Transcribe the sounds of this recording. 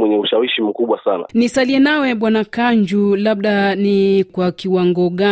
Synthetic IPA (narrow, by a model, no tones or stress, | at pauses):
wɛɲɛuʃawiʃim̩kuɓwasana̰nisaliɛnawɛɓwanakaɲd͡ʒulaɓ̚ɗanikwakiwaŋɡɔɠa